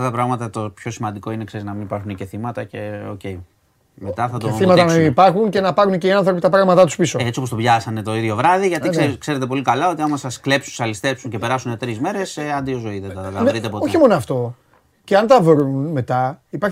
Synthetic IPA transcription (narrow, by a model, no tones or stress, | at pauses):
ft̪ɐt̪ɐpɾɐɣmɐt̪ɐt̪o̞pço̞simɐnd̪iko̞inekse̞ɾiznɐminipɐɾxunice̞θimɐt̪ɐce̞o̞̰ce̞j | met̪ɐθɐt̪oeθimɐt̪ɐnɐmiipɐɾxunce̞nɐpɐɾunceiɐnθɾo̞pit̪ɐpɾɐɣmɐt̪ɐt̪u̥spisoet͡siopost̪oʝɐsɐnet̪o̞iðʝo̞vɾɐðiʝɐt̪iekse̞ɾe̞t̪eo̞likɐlɐo̞t̪iɐmɐsɐskle̞psunsɐlist̪e̞psuɲce̞pe̞ɾɐsunet̪ɾizme̞ɾe̞seɐnd̪iozo̞iðet̪ɐt̪ɐɾit̪epooçimo̞noɐft̪o̞ | ceɐnt̪ɐvɾunme̞t̪ɐipɐɾç